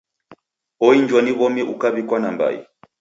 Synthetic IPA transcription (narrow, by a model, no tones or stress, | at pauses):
ɔiɲd͡ʒwaniβɔmɛʔukaβikwanamba̰ḭ